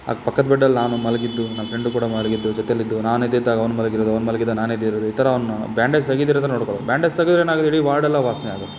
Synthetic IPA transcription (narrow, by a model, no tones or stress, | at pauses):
a̰ːɡpɐkːɐd̪bɛɖːɐlːnaːnumɐlɡid̪ːunamʋɐpʰɾeɳɖukuːɽɐmɐlɡid̪ːud͡ʒɔt̪ɛjɐlːid̪ːunaːned̪ːid̪ːaːɡɐʋɐnumɐlɐɡiɾod̪ɐʋɐnmɐlɡid̪ːunaːned̪ːiɾoːd̪uiːt̪ɐɾɐɐʋɐnbjaːɳɖest̪ɐɡid̪iːɾt̪ɐɾɐnoːɽkoɭod̪ubʲjaːɳɖest̪ɐɡid̪ɾeːnaːɡɐt̪ːeiɽiʋaːɾɽɛlːɐʋaːsnɛaːɡut̪ːe̥